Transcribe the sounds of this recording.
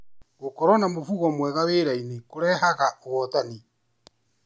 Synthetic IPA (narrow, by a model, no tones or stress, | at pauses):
ɣokɔɾɔnamofuɣɔmwɛɣaβeɾainekoɾɛɦaɣaoɣɔtani